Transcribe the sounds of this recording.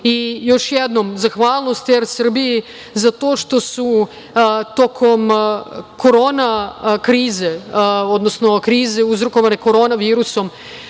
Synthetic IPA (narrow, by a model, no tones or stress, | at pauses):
ijo̞ʃjed̪no̞mzaxʋaːlˠnost̪eɾsr̩biji | zat̪o̞ːʃt̪o̞su | t̪o̞kʰo̞m | ko̞ɾoːnakɾiːzeo̞d̪nosno̞kɾiːzeuzɾoko̞ʋane̞ko̞ɾo̞naʋiːɾuso̞m